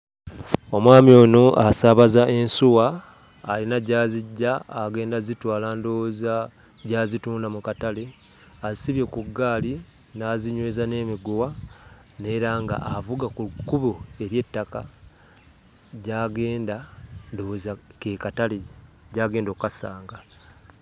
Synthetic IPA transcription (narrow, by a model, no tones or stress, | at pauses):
o̞mwaːmjo̞ːnoʔasaːβazaʔe̞nsuwaː | linaɟaːziɟːaːɡe̞ːndazitwaːlandoːza | ɟaːzituːndamukatale | azisiβje̞kuɡːaːli | naːziɲweːzane̞ːmiɡowa | ne̞ɾaŋɡa̰ʔavuɡakukuβoe̞ɾje̞tːaka | ɟaːɡe̞ːndando̞zakekatale | ɟaːɡe̞ːndokkasaːŋɡa